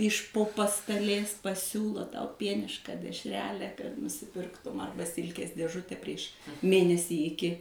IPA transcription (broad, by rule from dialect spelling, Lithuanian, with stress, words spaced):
ɪʃ poː pɐstɐˈlʲeːs pɐˈsʲuːlˠoː tɐʊ ˈpʲiɛnʲɪʃkɑː dʲɛʃʲˈrʲæːlʲæː kɐt nʊsʲɪˈpʲɪrktʊm ˈɐrbɐ ˈsʲɪlʲkʲeːs dʲeːˈʒʊtʲɛ pʲrʲiɛʃ ˈmʲeːnʲɛsʲiː ɪˈkʲɪ